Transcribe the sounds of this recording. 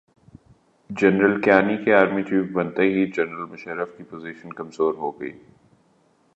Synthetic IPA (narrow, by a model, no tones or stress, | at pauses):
d͡ʒɛnɾəlkaːnikeaːɾmit͡ʃiːfbɐnt̪eɦid͡ʒɛnɾəlmʊʃəɾəfkipoːziːʃənkɐmzoːɾɦoːɡɐḭː